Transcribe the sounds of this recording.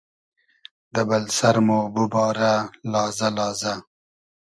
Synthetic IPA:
d̪əbalsaɾmobubɑːɾalɑːzalɑːza

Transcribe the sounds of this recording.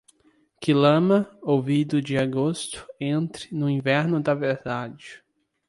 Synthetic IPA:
kɪlɐ̃mɐowvid̪ʊd͡ʒɪaɡost̪ʊ̥ẽnt̪ɾɪnʊĩvɛɾnʊd̪ɐveɾd̪ad͡ʒɪ

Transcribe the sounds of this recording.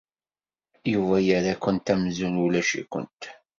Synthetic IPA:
juvæjəɾakʷːənt̪æmzululæʃḭkʷə̰nt̪

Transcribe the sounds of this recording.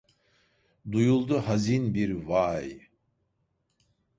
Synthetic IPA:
d̪ujulˠd̪uhazinbiɾvaj

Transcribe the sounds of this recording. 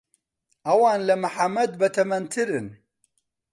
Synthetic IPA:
ʔɐwɑːnlɐmɨħamːɐd̪bɐt̪ʰɐmɐnt̪ʰɨɾɨn

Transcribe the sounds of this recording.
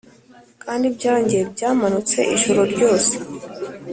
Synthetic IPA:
kʼanib̚d͡ʒaɾand͡ʒɛb̚d͡ʒamanɔt͡sʰɛʔiʃɔɾɔdɡɔːs

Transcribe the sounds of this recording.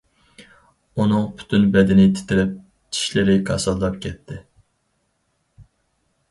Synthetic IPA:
unɨŋpʰy̥t̪ʰynbɛd̪ɪnɪt̪ʰɪ̥t̪ʰɪɾɪp̚ | t͡ʃʰi̥ʃlɪɾɪkʰɑ̰sɑllɑp̚kʲʰɛt̪ʰːɪ

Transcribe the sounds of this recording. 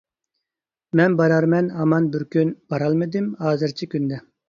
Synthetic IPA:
mɛnbɑɾɑɾmɛnɑmɑnbɪɾkʲʰynb̥ɑɾɑlˠmɨd̪ɪmhɑːzɨɾt͡ʃʰikʲʰynd̪ɛ

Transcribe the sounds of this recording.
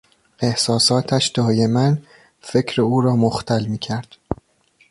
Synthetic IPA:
e̞hsɒːsɒːt̪ʰæʃd̪ɒːje̞mæn | fe̞cʰɾeuːɾɒːmoxt̪ʰælmiːcʰæɾd̪̥

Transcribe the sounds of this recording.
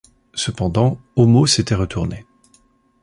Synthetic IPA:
səpɑ̃d̪ɑ̃omoset̪ɛʁət̪ʰuʁne

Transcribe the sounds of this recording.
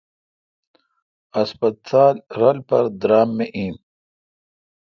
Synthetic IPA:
ɐspɐt̪aːlɾɐlpɐɾd̪ɾaːmːeʔĩːm

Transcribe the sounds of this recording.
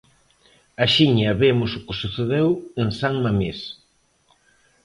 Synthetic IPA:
aʃiɲɐβemʊsʊkɪsuθeðeweŋsaŋmames

